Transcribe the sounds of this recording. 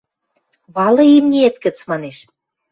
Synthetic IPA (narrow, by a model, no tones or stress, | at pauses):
βɑlɤ̆imnʲiet̪kə̆t͡smɑneʃ